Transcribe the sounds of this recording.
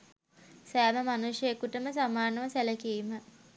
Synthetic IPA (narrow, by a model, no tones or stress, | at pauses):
sæːməmanuʂjəekuʈəməsamaːɾnəʋəsæləkiːmə